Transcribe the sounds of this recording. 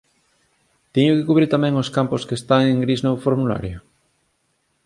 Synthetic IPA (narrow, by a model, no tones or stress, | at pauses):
t̪iɲʊkekuβɾiɾt̪amɛ̃ŋoskamposkest̪aŋeŋɡɾiznofoɾmula̰ɾjo